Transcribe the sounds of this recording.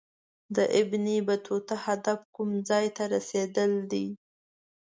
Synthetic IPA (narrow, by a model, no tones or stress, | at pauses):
d̪əʔɪbnibat̪ʰot̪ahad̪afkumd͡zɑjt̪aɾased̪əld̪i